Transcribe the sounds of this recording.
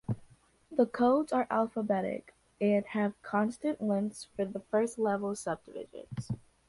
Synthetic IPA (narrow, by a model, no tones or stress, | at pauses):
ðəkʰoʊlˠdzə˞ʔælˠfəbɛɾɪ̰k | ɪt̚hɨv̥kʰɑ̃nstɨ̃nʔlɪ̃msfə˞ðəfɜ˞stˡlɛvl̩ˠsʌb̚dɨvɪ̰ʒɨ̰̃nz̥